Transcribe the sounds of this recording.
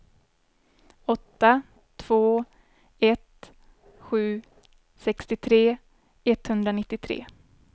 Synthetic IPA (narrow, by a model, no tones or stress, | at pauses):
ɔt̪ːa | t̪ʰv̥oː | ɛt̪ | ɧʉ̟ː | sɛkst̪ɪt̪ʰɾeː | ɛt̪hɵnd̪ɾanɪt̪ːɪt̪ʰɾḛː